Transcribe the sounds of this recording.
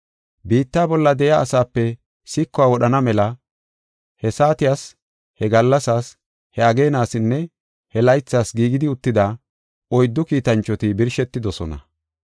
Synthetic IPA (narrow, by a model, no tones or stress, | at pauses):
biːt̪ːaːbɔlːɐd̪ɛjɐːsaːpːɛ | sɪkːɔwaːwɔɗɐnɐmɛlɐ | hɛsaːt̪ɪjas | hɛɡɐlːɐsaːs | hɛɐɡe̞ːnaːsɪnːɛ | hɛlɐjt͡sːaːsɡiːɡɪd̪ɪʊt̪ːɪd̪a | ɔjd̪ːɔkiːt̪ɐnt͡ʃːɔt̪ɪbɪɾʃɛt̪ːɪd̪ɔsɔnɐ̰